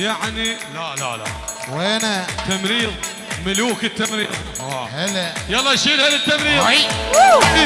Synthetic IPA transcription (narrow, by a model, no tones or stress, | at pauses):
jaʕnilala̰la̰ | wʔeːnat̪ːamɾiːðˤ | mɪluːkɪt̪ːamɾḭːðˤ | ɑheljɑlˤːɑːʃiːɾhalɪt̪ːamɾiː